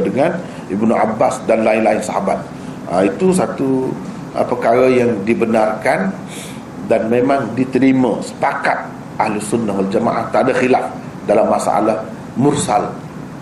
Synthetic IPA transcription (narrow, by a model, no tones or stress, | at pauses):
dəŋan | ʔibnua̰basdanlaɪnlaɪnsaɦaba̰t̪̚ | ait̪usat̪u | ʔə̰pəkaɾajaŋdibənarkan | danmemãŋdit̪əɾiməsə̥pakat̪̚ | ʔahlisunːaɦwald͡ʒama̰ʔaht̪əadaxilaf | dalamːasa̰a̰lah | mʊrsal